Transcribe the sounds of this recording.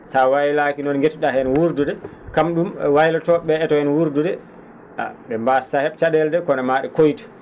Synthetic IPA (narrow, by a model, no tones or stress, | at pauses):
sawajlakinɔnɡetuɗahɛnwuɾdudɛ | kamɗumwajlatɔɓɛɛtɔɛnwuɾdudɛ | ʔa̰ɓɛmbasahɛɓt͡ʃadɛldɛkɔnamaɗɛkojtu̥